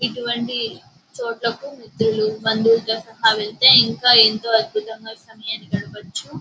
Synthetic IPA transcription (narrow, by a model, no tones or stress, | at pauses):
iʈuʋɐɳʈi | t͡ʃoːʈlɐkumit̪ɾulubɐnd̪uːlt̪ɐsɐɦaːʋelt̪eːiŋkaːeːnt̪o̞ːɐd̪̚bʱut̪ɐŋɡaːsɐmɐjaːnikɐɽɐʋɐt͡ʃːu